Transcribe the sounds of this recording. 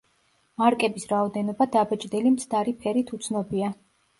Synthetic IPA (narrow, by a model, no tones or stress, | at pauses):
maɾkʼɛbisɾaɔd̪ɛnɔbad̪abɛt͡ʃʼd̪ɛlimt̪sʰd̪aɾipʰɛɾit̪ʰut̪sʰnɔbia